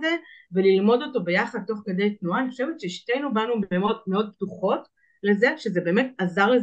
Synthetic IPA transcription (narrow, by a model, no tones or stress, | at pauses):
zevelilmo̞do̞to̞be̞jaχad̪̚to̞χkede̞jtnuaːniχoʃevetʃeiʃtejnubanumeo̞d̚meo̞d̚p̚tuχo̞t | le̞ze̞ʃezebe̞ːmetazaʁle